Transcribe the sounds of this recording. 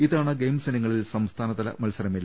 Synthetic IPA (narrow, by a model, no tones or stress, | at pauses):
iðaːɳɨɡejmseniŋːɐɭilsɐmst̪ʰaːnɐðɐlɐ̰mɐlsɐɾɐmilː